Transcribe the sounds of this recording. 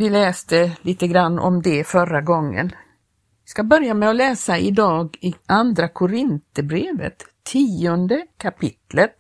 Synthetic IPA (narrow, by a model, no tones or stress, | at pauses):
vɪlɛːst̪əliːt̪əɡɾanːʔɔ̰md̪ɛfœɾaɡɔŋːə̰n | ɪskabœɾjamɛɔlɛːsaɪd̪ɑːɡɪʔand̪ɾakʰʊɾɪnt̪əbɾeːvə̰t̪ʰːiːɔnd̪əkʰapʰɪt̪lət̪̚